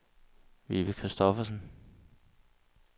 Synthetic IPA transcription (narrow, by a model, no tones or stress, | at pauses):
ʋiʋəkʰʁisd̥ɒfɐsn̩